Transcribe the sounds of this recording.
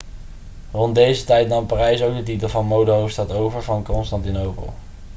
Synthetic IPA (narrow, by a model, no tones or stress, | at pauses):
rɔnt̚dejzətɛjtnɑmparɛjsowk̚dətitəlˠvɑnmowdəɦowfstɑtowvəɹvɑnkɔnstɑntinowpə̰lˠ